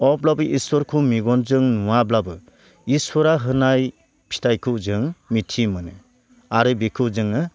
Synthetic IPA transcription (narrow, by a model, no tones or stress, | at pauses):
ɔblabɯʔiswɔɾkʰumiɡɔnzɯŋnuwablabɯ | iswɔɾaɦɯnaj | pʰi̥tʰajkʰɯzɯŋmitʰimɯnɯ | aɾɯbikʰɯzɯŋɯ